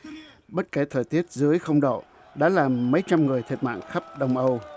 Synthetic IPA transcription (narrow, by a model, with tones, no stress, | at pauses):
ɓə˦˥t̚kɛː˨˦t̪ʰəː˨˩jt̪i˦˥ət̚zɨ˨˦əjxə˧wŋ͡mɗo̰˧˨ | ɗa̰ː˧˥laː˨˩mːə˨˦jt͡ɕa˧mŋɨ˨˩əjt̪ʰi˨˩t̚ma̰ː˧˨nxa˦˥p̚ɗə˧wŋ͡mʔə˧w